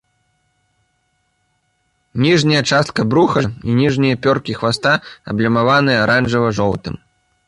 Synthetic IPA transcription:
nʲiʐnʲɐjɐt͡ʂast̪̚kɐbɾuxɐinʲiʐnʲijɐpʲɔrkʲixvast̪aɐ̰blʲɐmavanɨjɐɾanʐɨvɐʐɔwt̪ɨ̰m

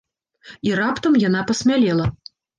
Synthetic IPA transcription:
irapt̪ɐmjanapɐsʲmʲalʲɛlˠɐ

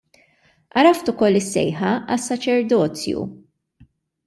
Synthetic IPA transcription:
ʔɐɾɐft̪ʊkɔlːɪsːɛ̰jħɐɐsːɐt͡ʃɛɾd̪ɔːt͡sjṵ

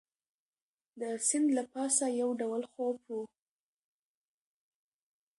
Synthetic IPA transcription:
d̪əsɪnd̪lapɑsajawɖawəlxobu

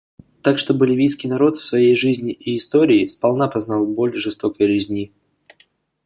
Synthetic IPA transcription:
t̪akʂt̪o̞bəlʲɪvʲijskʲijnɐɾo̞t̪fsvɐjejʐɨzʲnʲɪʔiːst̪o̞ɾʲɪːspɐlˠnapɐznalˠbo̞lʲʐɨst̪o̞kəjɾʲɪzʲnʲi

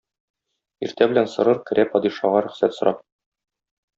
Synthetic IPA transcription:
iɾt̪æbɘ̆lænsɤ̆ɾɤɾkɘ̆ɾʔæpɒd̪iʃɑʁɑɾɵ̆χsæt̪sŏɾʔɑp̚

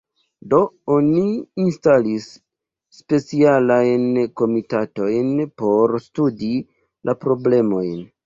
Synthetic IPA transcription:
do̞oniːnstalisː | pe̞t͡sialajnko̞mitato̞jnpo̞ɾstudi | lʔapɾo̞ble̞mo̞jn

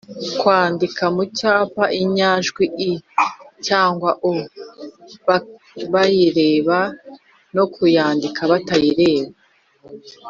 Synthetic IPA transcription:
kwaːndikamucaːpaʔiɲaʒɡwiʔicaːŋɡwaʔo | βajiɾeːβa | no̞kʰujaːndikʰaβatajiɾe̞ːβa

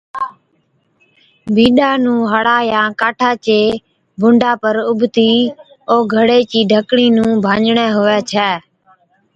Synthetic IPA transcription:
bʱiːɗaːnũːɦəɽaːjãːkaːʈʰaːt͡ʃeː | bʱʊ̃ɳɖaːpəɾʊbʱt̪iː | oːɡʱəɽeːt͡ʃiːɖʱəkɽiːnũːbʱãːd͡ʒɳɛːɦʊʋɛːt͡ʃʰɛː

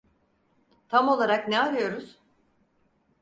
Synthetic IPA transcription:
t̪ʰamo̞lˠaɾaknɛaɾɯjo̞ɾuz̥

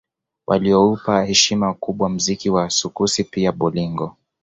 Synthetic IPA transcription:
wʔa̰liɔupahɛʃimakuɓwam̩zikiwaːsukusipiaɓɔliŋɡɔ

